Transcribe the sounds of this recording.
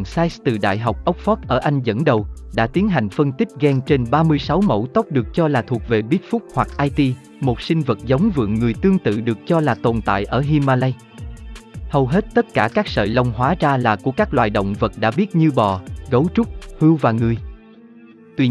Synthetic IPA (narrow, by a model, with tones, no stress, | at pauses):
ŋsaː˧jst̪ɨ̰˧˨˩ɗa̰ː˧˨jɦa˨˩wk͡p̚ʔə˦˥k͡p̚fɔ˦˥t̚ʔəː˧˩ʔa˧jŋ̟zə̰˧˥nɗə˨˩wɗa̰ː˧˥t̪i˨˦ənɦa˨˩jŋ̟fə˧nt̪ï˦˥k̟̚ɣɛ˧ŋt͡ɕe˧nɓaː˧mɨ˧əjsa˨˦wmə̰˧˥wt̪ə˦˥k͡p̚ɗɨ˨˩ək̚t͡ɕɔ˧laː˨˩t̪ʰu˨˩ək̚ve˨˩ɓi˦˥t̚fʊ˦˥k͡p̚hwa˨˩k̚ʔaː˧jt̪i˧ | mo˨˩t̚sï˧ŋ̟və˨˩t̚za˨˦wŋ͡mvɨ̰˧˨əŋːɨ˨˩əjt̪ɨ˧əŋt̪ɨ̰˧˨ɗɨ˨˩ək̚t͡ɕɔ˧laː˨˩t̪o˨˩nt̪a̰ː˧˨jʔəː˧˩ɦi˧maː˧la˧j | hə˨˩wɦe˦˥t̚t̪ə˦˥t̚kaː˧˩kaː˦˥k̚sə̰ː˧˨jlə˧wŋ͡mɦwaː˨˦zaː˧laː˨˩ku˧˩əkaː˦˥k̚lwa̰ː˧˨jɗo̰˧˨wŋ͡mvə˨˩t̚ɗa̰ː˧˥ɓi˦˥ət̚ɲɨ˧ɓɔ˨˩ɣə˨˦wt͡ɕʊ˦˥k͡p̚hɨ˧wvaː˨˩ŋɨ˨˩əj | t̪wi˧